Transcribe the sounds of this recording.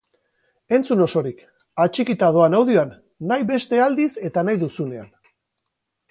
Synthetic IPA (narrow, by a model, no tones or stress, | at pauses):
e̞nt͡suno̞so̞ɾik | at͡ʃikit̪aðo̞anawðioanː | ajβe̞st̪e̞ald̪ise̞t̪anajðusune̞a̰n